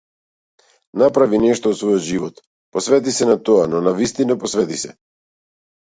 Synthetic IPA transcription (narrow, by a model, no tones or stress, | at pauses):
napɾavinɛʃt̪ɔːt̪svɔjɔd̪ʒivɔt̪ | pɔsvɛt̪̬isɛnat̪ɔanɔnavist̪inapɔsvɛt̪isɛ